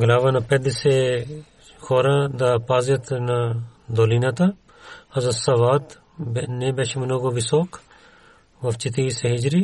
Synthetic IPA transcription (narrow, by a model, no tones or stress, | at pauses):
ɡɐlaːʋanɐped̪ise | xʰoːɾãd̪apaːzjɐt̪nad̪oːlinat̪a | hɐzɐsɐʋaːt̪ | bnebeʃimɐnoɡoʋisoːkʰ | ʋɐft͡ʃit̪iseɦid͡ʒɾi